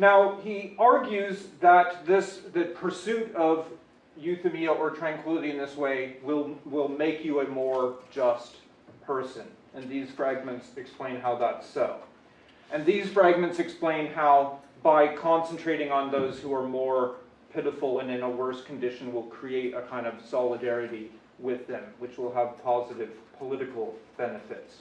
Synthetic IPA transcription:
naʊiɑɹɡjʉzðət̪̚ðɪsðɨpʰə˞sʉɾʌv | jʉθɨmiəʔə˞tʰɹ̥æ̃ŋkʰw̥ɪlˠəɾiɨ̃nðɪsweɪwɪlˠwɪlˠmeɪkʰjɨɨmɔɹd͡ʒʌst | pʰɜ˞sɨ̃n | ɨ̃nðiz̥fɹæɡ̚mɨ̃ntsɨksplẽɪ̃nɦaʊðətsoʊ | ɨ̃nðiz̥fɹæɡ̚mɨ̃ntsɨksplẽɪ̃nɦaʊ | baɪkʰɑ̃nsn̩tʰɹ̥eɪɾɪ̃ŋə̃nðoʊz̥huə˞mɔɹ | pʰɪɾəfl̩ˠə̃nɨ̃nəwɜ˞skʰn̩dɪʃɨ̃nwɪlˠkʰɹ̥ieɪɾɨ̰kʰãɪ̃ndʌv̥sɑlˠədɛɹɨɾi | wɪðɨ̃mwɨt͡ʃwɪlˠəv̥pʰɑzɨɾɨv̥pʰəlɪɾɨkl̩ˠb̥ɛnɨfɪts

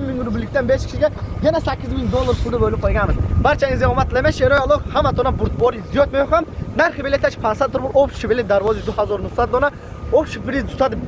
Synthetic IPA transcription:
mɪŋuɾʊbɪlːɪk̚ʲt̪anbeʃkʲʰɪ̥ʃiɡʲajanasakʲːizmɪŋd̪olˠːaɾpʰʊd̪ɪbolɪp̚qʰolˠɡʲanmɪzbaɾt͡ʃʰaizejɔmat̪ʰlameʃeɾojalˠokhamːat̪ʰonabʊɾt̪̚bɔɾizijɔt̪majoχamnaɾχɪbelet̪ʰat͡ʃpʰansat̪ːʊɾbʊlopʃibelet̪̚d̪aɾvɒzid̪ʊhazɔɾnʊχsat̪̚d̪ona | opʃipɾizt̪ʰʊ̥t̪ʰad̪ɪ

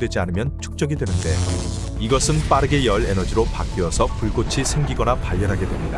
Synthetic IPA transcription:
dwe̞d͡ʑianɯmjʌnt͡ɕʰu̥k̚t͡ɕ͈ʌɡidwe̞nɯnde̞ | iɡʌsʰɯnp͈aɾɯɡe̞jʌɭe̞nʌd͡ʑiɾopak̚k͈eʌsʰʌpuɭɡot͡ɕʰisʰeŋɡiɡʌnapaʎːʌnɦaɡe̞dwe̞mɲida

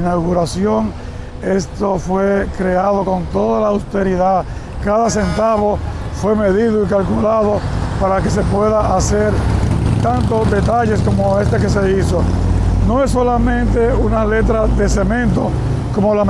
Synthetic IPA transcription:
nawɣuɾasjo̞ŋ | e̞st̪o̞fwe̞kɾe̞aðo̞ko̞nt̪o̞ðalaːwst̪e̞ɾiða | kaðase̞nt̪aβo̞fwe̞me̞ðiðoikalkulaðo̞paɾake̞s̬e̞pwe̞ðaʔaseɾt̪ant̪o̞sd̪e̞t̪aʝe̞sko̞moe̞st̪ekese̞iso | no̞esːo̞lamẽnt̪e̞ | unale̞t̪ɾaðe̞se̞mẽnt̪o | ko̞mola

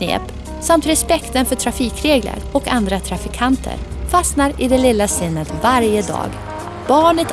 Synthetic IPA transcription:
nḛːp | samt̪ɾɛspɛkt̪ənfœʈʰɾafiːkɾeːɡlə̰ɾɔkand̪ɾat̪ʰɾafɪkʰant̪ʰə̰ɾ | fasnaɾɪd̪ɛlɪlːasɪnːət̪vaɾjəd̪ɑ̰ːɡ | at̪bɑːɳət̪

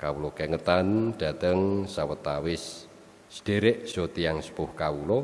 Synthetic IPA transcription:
kawulɔkɛŋət̪and̥a̤t̪əŋsawət̪awɪsː | d̥e̤ɾɪʔsot̪iaŋsə̥pʊhkawulɔ

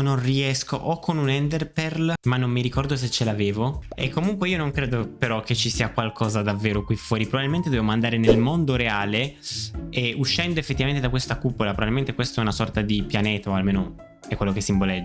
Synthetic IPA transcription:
nonriɛsko̰ʔɔkʰːonunɛnd̪erpɛrlmanːomːiɾikɔrd̪os̬et͡ʃːelaːveːvoḛkʰːomuŋkweiːonoŋkɾeːd̪opeɾɔkʰːet͡ʃːisiːakwalkʰɔːzad̪avːeːɾokwifːwɔːɾipɾobabilment̪ed̪ovemoand̪aːɾenelmond̪oɾeaːle | euʃːɛnd̪oefːet̪ːivament̪ed̪akwest̪akupːolapɾobabilment̪ekwest̪oɛunasɔrt̪ad̪ipjaneːt̪aoalmeːno | ɛkwelːokesːimbolɛd͡ʒ

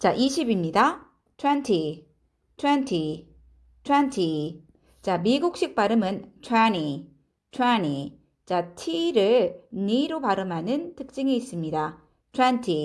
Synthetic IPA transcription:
t͡ɕaʔiɕʰibimɲida | tʰwantʰi | tʰwantʰi | tʰwantʰi | t͡ɕamiɡuk̚ɕ͈ik̚p͈aɾɯmɯnt͡ɕʰwaɲi | t͡ɕʰwaɲi | t͡ɕatʰiɾɯɭniɾopaɾɯmɦanɯntɯk̚t͡ɕ͈ɯŋiːs͈ɯmɲida | t͡ɕʰwantʰi

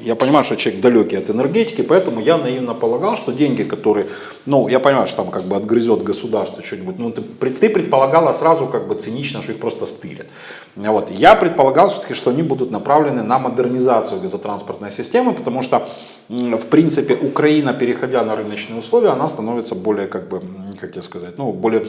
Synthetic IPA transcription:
japənʲɪmajʊʂt̪ot͡ɕˠvʲeɡ̚d̪ɐlʲokʲɪjɐt̪ɨnɨrɡʲetʲɪ̥kʲɪpɐɛt̪əmʊjanɐivnəpəlˠɐɡalˠʂt̪odʲenʲɡʲɪkɐt̪o̞ɾɨjə | nujapənʲɪmajʊt̪ot̪amkaɡ̚bɨɐd̪ɡɾɪzʲo̞t̪ɡəsʊd̪arst̪vət͡ɕːonʲɪbutʲnut̪ɨpɾʲɪt̪ɨpɾʲɪt̪̚pəlˠɐɡalˠəsɾazʊkaɡ̚bɨt̪sɨnʲit͡ɕnəʂt̪oixpɾo̞st̪əst̪ɨlʲɪ̰t̪ | vo̞t̪japɾʲɪt̪̚pəlˠɐɡalˠfsʲot̪ə̥kʲɪʂt̪o̞ɐnʲibud̪ʊt̪nɐpɾavlʲɪnɨnɐməd̪ɨrnʲɪzat̪sɨjʊɡəzɐt̪ɾanspərt̪nəjsʲɪsʲtʲemɨpə̥t̪ɐmuʂt̪o | fpɾʲint̪sɨpʲɪʔʊkɾɐinəpʲɪɾʲɪxɐdʲanɐɾɨnət͡ɕnɨjəʊslˠo̞vʲɪjəɐnast̪ɐno̞vʲɪt̪səbo̞lʲɪjəkaɡ̚bɨkakjaskɐzat̚ʲnubo̞lʲɪjə

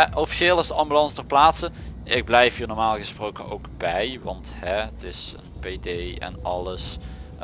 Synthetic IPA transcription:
ʔofi̥ʃeːlˠɪsdəɑmbylɑnsdəɹplaːtsəʔɪɡ̚blɛjfɦiːɹnɔːɹmaːlˠɣəsprowkəno̰wkb̥ɛjʋɑnthɛətɪsə̰npedejɛ̰nɑləs

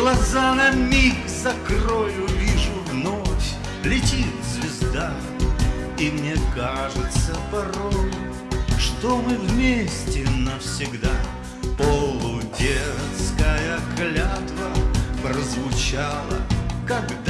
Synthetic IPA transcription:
lˠɐzanɐmʲikzɐkrojʊvʲiʐʊvnofʲ | lʲɪtʲit̪zvʲɪzd̪a | imnʲekaʐɨt̪səpɐɾoj | ʂt̪omɨvmʲesʲtʲɪnəfsʲɪɡd̪a | polˠʊdʲet̪skəjəklʲat̪vəpɾəzvʊt͡ɕalˠə̰kɐɡd̪

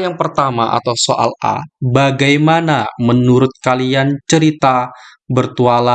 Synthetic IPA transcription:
jaŋpərt̪amaʔa̰t̪awsoʔa̰la̰baɡajmanamənuɾʊt̪̚kaliant͡ʃəɾit̪a | bərt̪uala

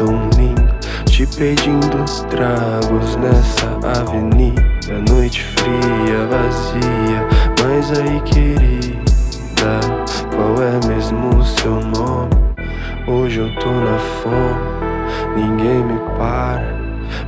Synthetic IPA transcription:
lĩd̪ʊ | t͡ʃɪped͡ʒĩd̪ʊst̪ɾaɡʊznɛsɐavenit̪ɐnojt͡ʃɪ̥fɾiɐvaziɐmajzaikʰɪɾi | d̪a | kwawɛmezmʊsewnõmɪ | oʒewt̪ʰonɐfɔm | nĩŋɡẽj̃mɪpaɾɐ

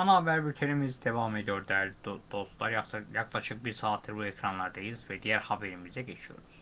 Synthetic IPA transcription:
ɑnabæɾbyɾt̪ʰeɾimizd̪evɑmed̪ijoɾd̪æɾd̪̥o̞st̪lˠɑɾjjɑɡlˠɑʃɯqbiɾsɑːt̪ʰːiɾbuekʰɾɑnlˠɑɾd̪ejizvæd̪ijæɾhɑbeɾimizd̪æɟet͡ʃʰijo̞̰ɾuz̥

